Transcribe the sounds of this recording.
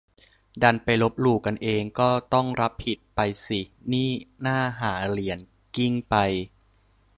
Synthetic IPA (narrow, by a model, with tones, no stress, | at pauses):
da˧npa˧jlo˦˥p̚luː˧˩ka˧nʔeː˧ŋkɔː˥˩t̪ɔ˥˩ŋɾa˦˥p̚ʰhi˨˩t̪̚pa˧jsi˨˩niː˥˩naː˥˩ɦaː˩˦li˩˦ən | ki˥˩ŋpa˧j